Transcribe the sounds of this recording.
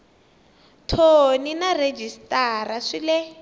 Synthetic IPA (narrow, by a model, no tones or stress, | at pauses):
tʰoninared͡ʒistʼaraʂilɛ